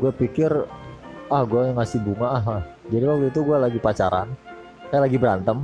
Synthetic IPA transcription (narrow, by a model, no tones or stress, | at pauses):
ɡuapikɪr | ahɡuajaŋasɪhbuŋaaɦlahd͡ʒadiwak̚t̪uit̪̬uɡualaɡipat͡ʃaɾa̰n | kajalaɡibəɾant̪əm